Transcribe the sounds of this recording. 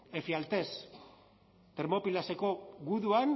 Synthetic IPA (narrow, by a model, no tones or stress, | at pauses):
efialt̪e̞s | t̪eɾmo̞pilase̞ko̞ɣuðuan